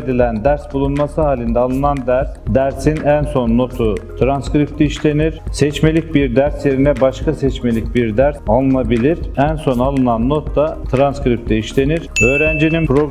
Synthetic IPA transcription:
d̪ilʲænd̪æɾsbulˠunmasɯɦaːlʲind̪ɛaːlˠɯnand̪æɾsd̪æɾsinænso̞nːo̞t̪ʰut̪ʰɾanskɾip̚t̪ʰiːʃlʲe̞niɾ̥sɛt͡ʃme̞lʲic̚biɾd̪æɾsje̞ɾinɛbaʃkʰasɛt͡ʃme̞lʲicbiɾd̪æɾsalˠnabilʲiɾ̥ænso̞nalˠɯnanːot̪ːat̪ʰɾanskɾip̚t̪ʰiiʃlʲe̞niɾ̥øːɾænd͡ʒininpɾoɡ

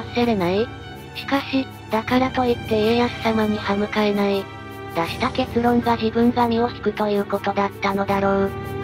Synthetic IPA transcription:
seɾe̞nai | ɕi̥kaɕi | d̪̥akaɾat̪o̞it̪ːe̞eːjasɨ̥samaɲ̟ihamɯ̟kaenai | d̪̥aɕi̥t̪ake̞t͡sɨɾõ̞ŋɡaʑibɯ̟̃ŋɡamʲiosi̥kɯ̟t̪o̞jɯ̟ːko̞t̪o̞d̪at̪ːano̞d̪aɾo̞ː

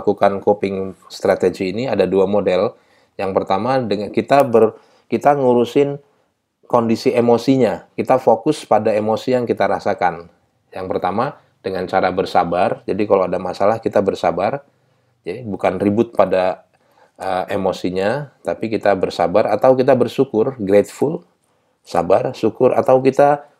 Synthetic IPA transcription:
kukankopɪŋst̪ɾat̪ed͡ʒiːniadaduamodɛl | jaŋpərt̪amadəkit̪abər | kit̪aŋuɾusɪn | kondisiemosiɲakit̪afokʊspadaemosijaŋkit̪aɾasakan | jaŋpərt̪ama | d̥əŋant͡ʃaɾabərsabard͡ʒadikalawadamasalahkit̪abərsa̰bar | d͡ʒadibukanribʊt̪̚pada | əemosiɲat̪apikit̪abərsa̰baɾat̪awkit̪abərsukʊrɡɾet̪̚fʊl | sa̰barsukʊɾʔa̰t̪awkit̪a

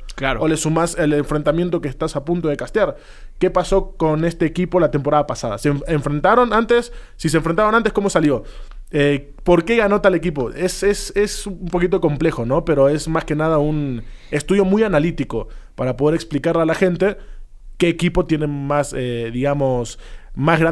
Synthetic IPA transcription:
klaɾoolesumaseleɱfɾent̪amje̞nt̪̬o̞kest̪asapunt̪o̞ð̞e̞kast̪jaɾ | ke̞paso̞ko̞ne̞st̪e̞ːkipo̞lat̪e̞mpo̞ɾaðapasaða̰seɱeɱfɾe̞nt̪aɾo̞nant̪e̞sː | iseɱfɾent̪aɾonant̪esko̞mosaljo̞e | po̞ɾke̞ɣano̞t̪ale̞kip̬o̞ʔesesesumpo̞kit̪̬o̞ko̞mple̞xo̞no̞pe̞ɾo̞e̞smaske̞nað̞aune̞st̪uðjo̞mujanalit̪iko̞paɾapoð̞eɾeksplikaɾlalaxe̞nt̪e̞ | ke̞ːkipo̞t̪jene̞maseðiɣamo̞smazɣɾa

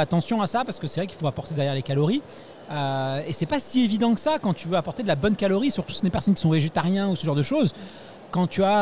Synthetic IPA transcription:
at̪ɑ̃sjɔ̃asapaʁsə̥kəsɛvʁɛkilfoapɔʁt̪ed̪ɛʁjɛʁlekaloʁi | øesɛpasievid̪ɑ̃kə̥sakɑ̃t̪yvøapɔʁt̪ed̪əlabɔnkaloʁisyʁt̪u̥sd̪epɛʁsɔnkʲi̥sɔ̃veʒet̪aʁjɛ̃usəʒɑ̃ʁd̪əʃoz | kɑ̃t̪ya

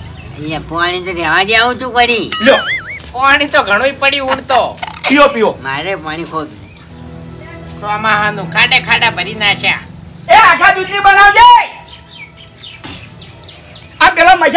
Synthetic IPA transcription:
əlapañĩt̪okɛʋãd͡ʒaũt͡ʃũkəɽilopaɽ̃it̪oɡʱəɽ̃oipəɽiuɳt̪opijopijomaɾepaɳ̃ĩkʰod̪n | samãɦãnũkʰaɗekʰaɖabʱəɾinaʃã̰ | ead͡ʒad̪ud͡ʒ̪nibənaʋd͡ʒa | apɛlaməd͡ʒ

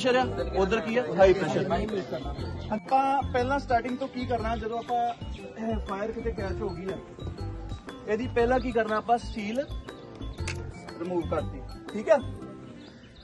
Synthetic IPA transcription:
ʃəɾaːod̪əɾkiːaːɦaːiːpɾɛːʃəɾə̃pãːpɛːlãːsʈaːɾʈɪŋɡt̪õːkiːkəɾnaːd͡ʒəd̪õːaːpãː | pʰaːjəɾkʰet̪eːpaːt͡ʃɦoːɡiːɛː | ɛːd̪iːpɛːlãːk̬iːkəɾnaːəpãːsʰiːl | ɾɪmuːʋkəɾt̪iːʈʰiːkɛː

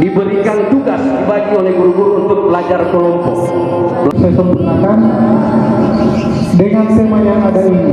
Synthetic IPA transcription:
dibəɾikant̪uɡaskəbaɡiolɛhɡuɾuɡuɾuunt̪ʊk̚bəlad͡ʒarkəlɔm | səsəmpuŋakan | dəŋantəmajaŋadaini

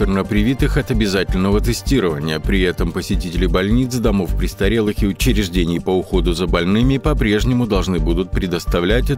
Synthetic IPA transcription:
ɪrnəpɾʲɪvʲit̪ɨxɐt̪əbʲɪzatʲɪlʲnəvət̪ɨsʲtʲiɾəvə̰nʲɪjəpɾʲɪɛt̪əmpəsʲɪtʲitʲɪlʲɪbɐlʲnʲit̪sd̪ɐmo̞fpɾʲɪst̪ɐɾʲe̞lˠɨxɪʊt͡ɕɪɾʲɪʐdʲenʲɪjpəʊxo̞d̪ʊzəbɐlʲnɨmʲɪpɐpɾʲe̞ʐnʲɪmʊd̪ɐlˠʐnɨbud̪ʊt̪̚pɾʲɪd̪əst̪ɐvlʲætʲɛ

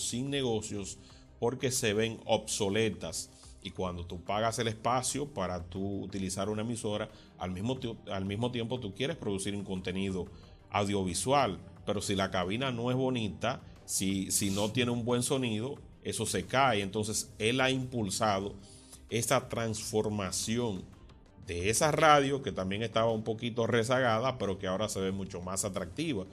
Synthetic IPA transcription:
siŋne̞ɣo̞sjo̞s | po̞ɾke̞se̞βe̞ŋo̞̰bso̞le̞t̪as | ikwand̪o̞t̪upaɣase̞le̞spasjo̞paɾat̪ṵːt̪ilisaɾunaemiso̞ɾa | a̰lmismoalmismo̞t̪jempo̞t̪ukje̞ɾe̞spɾo̞ðusiɾuŋko̞nt̪e̞niðo̞ | a̰wðjo̞β̞iswalpe̞ɾo̞silakaβinano̞e̞zβo̞nit̪a | sisinot̪je̞neumbwe̞ŋso̞niðo̞ | e̞so̞se̞kaeent̪o̞nse̞se̞laimpulsaðo̞ | e̞sat̪ɾaŋsfo̞ɾmasjo̞n | d̪e̞esaraðjoke̞t̪ambje̞ŋe̞st̪aβaumpo̞kit̪o̞re̞s̬aɣaðape̞ɾo̞keao̞ɾase̞βe̞mut͡ʃo̞masat̪ɾak̚t̪iβa

